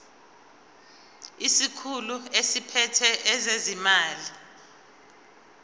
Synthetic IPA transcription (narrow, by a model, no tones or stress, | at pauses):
isikʰuluesipʰɛtʰɛʔɛzezimaːli